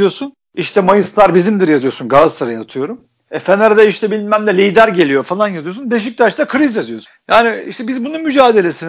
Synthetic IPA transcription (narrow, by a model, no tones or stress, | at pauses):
jo̞sun | iʃt̪ʰɛmajɯslˠaɾbizimd̪iɾjazɯjo̞sunɡazsɯɾajaːt̪ʰɯjo̞ɾum | ɛfænaɾad̪aiʃt̪ʰɛbilʲinmæmd̪ɛlʲijd̪æɾɟe̞lʲijo̞falˠanjazɯjo̞sunbeʃ̬ic̚t̪ʰaɾt͡ʃʰt̪akʰɯɾizjazɯjo̞s | jaːniḭʃt̪ʰɛbizbununmyd͡ʒaːd̪e̞lʲe̞sin